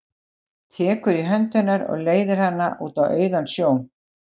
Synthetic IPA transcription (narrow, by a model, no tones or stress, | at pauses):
t̪ʰɛːkʏɾiɦœnt̪ʏnaɾɔ̰ɣleːjðɪɾ̥hanːa̰ʔṵːt̪awœːɥðansjoːwm